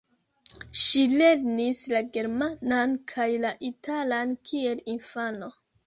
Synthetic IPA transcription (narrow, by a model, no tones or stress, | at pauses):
ʃile̞ɾnislaɡe̞ɾmanankʰajlaʔitʰalankʰie̞linfano̞